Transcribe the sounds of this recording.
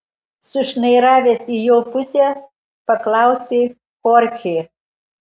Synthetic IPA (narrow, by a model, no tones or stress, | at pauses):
sʊʃnɐɪɾɑːʋʲesijoːpusʲæ | pɐklˠɑʊsʲe | xoɾʲxʲe